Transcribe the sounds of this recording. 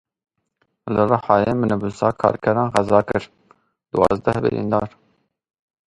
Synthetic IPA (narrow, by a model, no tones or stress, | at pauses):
lɨrɑħɑːjeːmɨnɨbusɑːkʰɑ̰ːɾkʰɛɾɑːnʁɛzɑːkɨɾ | d̪uwɑ̰ːzd̪ɛhbɨ̰ɾḭːnd̪ɑːɾ